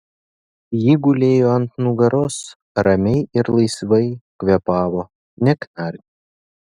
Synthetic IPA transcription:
jiːɡʊlʲeːjoːɐnt̪nuɡɐɾʊs | ɾɐmʲɛɪɪɾlˠɐɪsʋɐɪkʋʲɛpɑːʋoː | nʲɛknɑɾʲnʲɪ

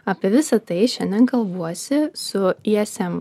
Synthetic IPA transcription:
ɐːpʲiɛʋʲɪsɐt̪ɐɪʃʲɛnʲd̪ʲɛnkɐlˠʋuɔsʲɪsʊiɛsʲɛm

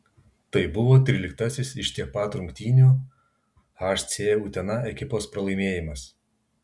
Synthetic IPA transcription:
t̪ɐɪbʊʋoːt̪ʲɾʲɪlʲɪkt̪ɐsʲɪsɪʃt̪ʲiɛk̚pɑt̪ɾʊŋʲkt̪ʲiːnʲuː | ɑʃʲt̪sʲeːuːt̪ʲɛnɐɛkʲɪpoːspɾɐlˠɐɪmʲeːjɪmɐs

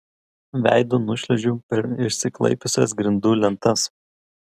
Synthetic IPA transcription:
ʋʲæ̰ˑɪd̪oːnʊʃʲlʲɛʒʲuːpʲɛɾɪʃʲsʲɪklˠɐ̰ɪpʲʊsʲɛs̬ɡɾʲɪnd̪uːlʲɛnt̪ɐs

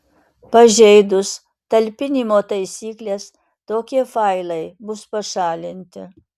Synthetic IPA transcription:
pɐʒʲɛɪd̪ʊs | t̪ɐlʲpʲɪnʲimoːt̪ɐɪsʲiːklʲeːs | t̪oːkʲiɛfɐɪlˠɐɪbʊspɐʃɑːlʲɪnʲt̪ʲɪ̰

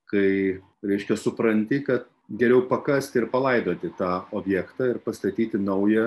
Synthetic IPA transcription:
kɐɪ | ɾʲɛɪʃʲkʲɛsʊpɾɐnʲt̪ʲɪkɐt̪ | ɡʲɛɾʲɛʊpɐkɐsʲt̪ʲɪɾpɐlˠɐɪd̪oːt̪ʲɪt̪ɑːoːbʲjɛːkt̪ɑːɪɾpɐst̪ɐt̪ʲiːt̪ʲɪnɐʊjɛ

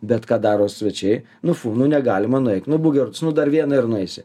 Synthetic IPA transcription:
bʲɛt̪kɑːd̪ɑːɾoːsʲʋʲɛt͡ʃʲɛɪ | nʊfuːnʊnʲɛɡɑːlʲɪmɐnʊɛɪkt̪ʲnʊbuːɡʲɛɾʊt̪snʊd̪ɐrʋʲiɛnɐɪrnʊɛɪsʲɪ

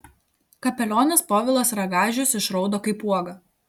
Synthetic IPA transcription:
kɐpʲɛlʲoːnʲɛspɔːʋʲɪlˠoːsɾɐɡɑːʒʲʊsɪʃɾɒʊd̪oːkɐɪpuɔɡɐ

